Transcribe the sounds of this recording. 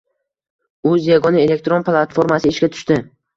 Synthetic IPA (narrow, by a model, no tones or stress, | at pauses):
ɵzjaɡɒnɪe̞le̞k̚t̪ɾo̞nplˠat̪foɾmasɪɪʃɡʲat̪ʰʊ̥ʃt̪ɪ